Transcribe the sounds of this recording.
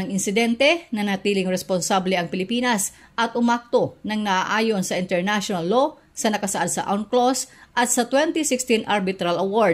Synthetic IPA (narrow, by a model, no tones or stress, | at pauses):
ɐŋʔɪnsɪd̪ɛnt̪ɛnɐnɐt̪iːlɪŋɾɛsponsablɛʔɐŋpɪlɪpiːnɐsʔɐt̪ʔʊmak̚t̪o̞nɐŋnɐʔaʔaːjo̞nsɐʔɪnt̪ɛɹnaʃonɐlːo̞ | sɐnɐkɐsɐʔad̪sɐ̰ʔa̰wnklosʔɐt̪̚sɐt̪wɛnt̪ɪsɪkst̪inʔaɾbɪt̪ɾɐlɐwoɹ